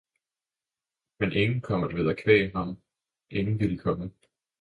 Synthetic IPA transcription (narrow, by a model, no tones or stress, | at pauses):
menʔe̝ŋn̩kʰɒ̽m̰ɐd̥ʋeðˠækʰʋɛ̰ːɦɑ̈m | ʔe̝ŋn̩ʋil̥ikʰɒ̽mə